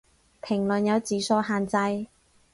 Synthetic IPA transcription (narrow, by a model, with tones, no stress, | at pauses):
pʰɪ˨˩ŋlɵ˨njɐ˨˧wt͡siː˨˥sɔː˧ɦaː˨nt͡sɐ˧j